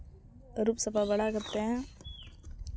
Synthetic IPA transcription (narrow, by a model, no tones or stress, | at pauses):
ɾupsəfabɐɽakɐɾt̪eɦɛ̃ː